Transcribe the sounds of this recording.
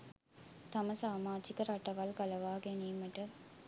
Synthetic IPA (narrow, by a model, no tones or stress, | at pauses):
t̪aməsaːmaːd͡ʒikəɾaʈɐʋalkɐləʋaːɡeniːməʈə